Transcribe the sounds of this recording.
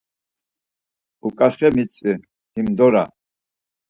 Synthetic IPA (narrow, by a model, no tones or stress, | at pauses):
ukʼaχɛmit͡sʼi | himd̪ɔɾa̰